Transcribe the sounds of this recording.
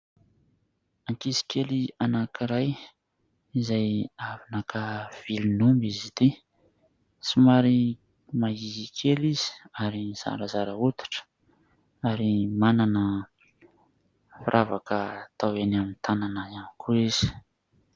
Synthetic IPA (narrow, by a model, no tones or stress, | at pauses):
aŋkisi̥kʰelianakʰiɾaj | izajavinakʰav̥ilinumbizid̪i | simaɾi | maiikʰelizi̥aɾiz̥a̰ɾəzaɾəut̪i̥ʈ͡ʂə̥ | aɾimananə | fiɾʔavakət̪ʰawenamint̪ʰananəamikʰuiz̥i̥